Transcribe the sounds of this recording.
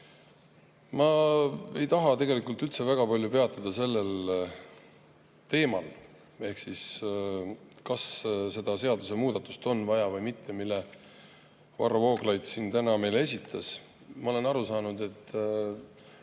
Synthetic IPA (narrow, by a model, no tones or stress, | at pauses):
mɑe̞jt̪ɑɦɑt̪e̞ɡe̞likˑult̪ylt̪se̞væɡ̥ɑpɑlʲjupe̞ɑt̪ːˑɑd̪̥ɑse̞lːe̞l | t̪e̞ːmɑ̰l | e̞hksis | kɑsse̞d̪̥ɑse̞ɑd̪̥use̞muːd̪̥ɑt̪ːˑu̥st̪o̞nːvɑjɑvɤjmit̪ʰːe̞milːe | vɑ̰ɾɑvo̞ːɡlɑjd̪̥siːnt̪ænɑme̞jle̞sʲit̪ʰːˑɑs | mɑo̞le̞nɑɾusɑːnud̪̥e̞t̪ːˑ